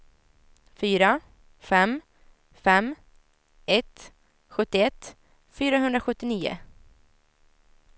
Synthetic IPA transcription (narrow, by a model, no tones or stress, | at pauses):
fyːɾa | fɛmː | fɛm | ɛt̪ː | ɧɵt̪ːɪɛt̪ː | fyːɾaɦɵnd̪ɾaɧɵt̪ːɪniːʊ̰